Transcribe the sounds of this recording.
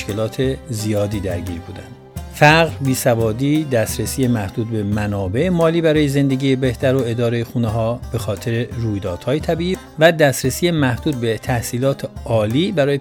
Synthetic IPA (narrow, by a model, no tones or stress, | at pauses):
ʃke̞lɒːt̪ʰezijɒːd̪iːd̪æɾɟiːɾbuːd̪æ̰nd̪̥fæɣɾbiːsævɒːd̪iːd̪æst̪ɾesiːjemæhd̪uːd̪̚be̞mænɒːbe̞ʔemɒːliːbæɾɒːjeze̞nd̪e̞ɟiːjebe̞ht̪æɾo̞e̞d̪ɒːɾejexuːneɦɒːb̥e̞xɒːt̪ʰe̞ɾeɾuːjd̪ɒːd̪̥hɒːjet̪ʰæbiːʔiː | væd̪æst̪ɾesiːemæhd̪uːd̪̚bet̪ʰæhsiːlɒːt̪ʰeɒːliːbæɾɒːje